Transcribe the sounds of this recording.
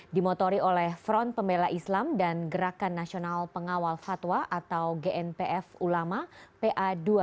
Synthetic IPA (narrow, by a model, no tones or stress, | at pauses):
dimɔt̪oɾiolɛhfɾɔnt̪̚pəmbelaʔislamdanɡəɾakanːasionalpəŋawalfat̪waʔat̪awɡeʔɛnpeʔɛfulamapeʔadua